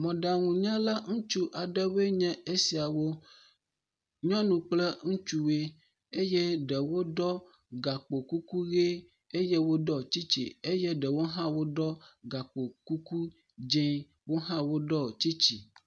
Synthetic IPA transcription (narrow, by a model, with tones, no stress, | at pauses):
mɔ̃˨ɖa˨ŋũ˨ɲã˦la˦ŋũ˦t͡ʃu˦ʔa˨ɖɛ˦we˦ɲɛ̃˦e˦si˨a˨wo˦ | ɲɔ̃˦nũ˨k͡plɛ˦ŋũ˦t͡ʃu˦we˦ | e˦je˦ɖɛ˨wo˦ɖɔ˦ | ɡa˨k͡po˨ku˦ku˦ɣe˦ | e˦je˦wo˦ɖɔ˦t͡ɕi˦t͡ɕḭ˨e˦je˦ɖɛ˨wo˦ɦã˦wo˦ɖɔ˦ɡa˨k͡po˨ku˦ku˦ | d͡ʒẽ˦ | wo˦ɦã˦wo˦ɖɔ˦˨t͡ɕi˦t͡ʃḭ˨